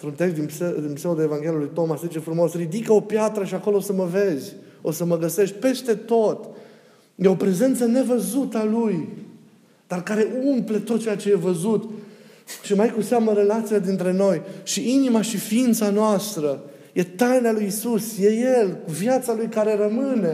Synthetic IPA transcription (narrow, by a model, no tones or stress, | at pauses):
nt̪ɾunt̪eʃd̪inpsd̪inpseod̪eevaŋɡʲe̞ljulujt̪o̞maszit͡ʃefɾumo̞srid̪ikəo̞pjat̪ɾəʃiako̞losəməve̞zʲ | o̞səməɡəse̞ʃt̚ʲpe̞st̪e̞t̪o̞t̪ | jeo̞pɾe̞ze̞nt̪səne̞vəzut̪əaluj | d̪̥arkaɾe̞ʔumple̞t̪o̞t̪̚t͡ʃejat͡ʃe̞je̞vəzut̪ | ʃimajkuseamnəɾe̞lat̪sijad̪int̪ɾe̞no̞jʃiʔinimaʃifiint̪sanoast̪ɾə | je̞t̪ajnealujisusje̞jeluvjat̪salujkaɾe̞rəmɨne̞